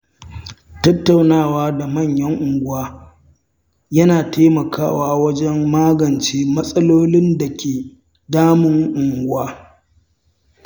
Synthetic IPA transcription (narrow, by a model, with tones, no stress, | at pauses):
tɐ˦tːa˨wnaː˦˨waː˦da˨mɐ˦˨ɲjɐ˦ŋʔʊ˨ŋɡʷʊ˦waː˦ | jɐ˦naː˨tʰeː˦mɐ˨kʰaː˦waː˦wɐ˦d͡ʒɛ˦mːaː˦ɡɐ˨nt͡ʃeː˦mɐ˦sʼɐ˦loː˦lɪ˦nda˨kʲeː˨ | daː˦mʊ˦ŋʔʊ˨ŋɡʷʊ˦waː˦